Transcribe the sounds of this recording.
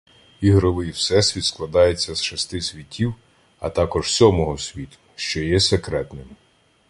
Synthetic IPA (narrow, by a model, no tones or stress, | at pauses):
iɦɾɪlˠɪjwsɛsʲʋʲit̪sklˠɐd̪ɑjet͡sʲːɐz̥ʃɔst̪ɪsʲʋʲitʲʰːiw | ɐ̰t̪ɑkɔʒsʲɔmɔɦɔsʲʋʲit̪ʊ̥ʃt͡ʃɔjɛsekɾɛt̪nɪm